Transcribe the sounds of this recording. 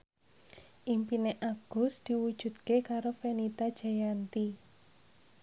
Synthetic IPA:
ʔimpineʔaɡ̥ʊ̤sd̪̥i̤wud̥ʒ̥ṳd̪̚kekaɾofɛnit̪ad̥ʒ̥ajant̪i

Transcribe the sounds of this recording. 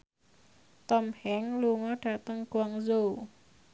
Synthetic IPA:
t̪ɔmhɛŋluŋɔɖ̥ä̤t̪əŋɡ̥uwaŋzo

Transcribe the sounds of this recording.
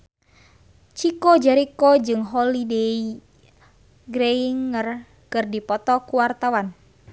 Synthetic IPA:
t͡ʃikod͡ʒɛɾikod͡ʒɨŋɦɔlidei | ɡɾeiŋər | kɨrdipɔt̪ɔkuwart̪awan

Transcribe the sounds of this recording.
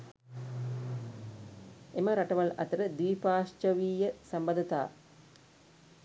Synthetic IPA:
emɐɾɐʈɐʋɐlɐ̰t̪ɐɾɐd̪ʋiːpaːʂt͡ʃɐʋiːjɐsɐmbɐd̪ɐt̪a̰ː

